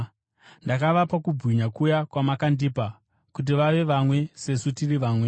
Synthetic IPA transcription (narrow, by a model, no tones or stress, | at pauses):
ndakaʋapakubʱwiɲakujakwamakandipa | kut̬iʋaʋe̞ʋamwe̞se̞sutiriʋaːmwe̞